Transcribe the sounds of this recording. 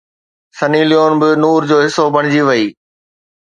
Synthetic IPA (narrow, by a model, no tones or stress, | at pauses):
sɐnilijoːnbɪnuːɾd͡ʑoːɦɪsobɐɽ̃ɪd͡ʑiʋɐiː